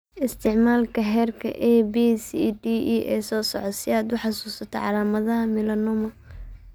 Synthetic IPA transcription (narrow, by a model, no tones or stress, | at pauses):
ʔɪst̪ʰɪʕmaːlkʰɐɦɛːrkʰɐ̰ʔɛbisid̪iːʔɛːsɔːsɔʕɔt̪sɪaːd̪ʊħɑsuːsɐt̪ʰɔʕɑlaːmɐðɐɦɐmɪlɐnʊmɐ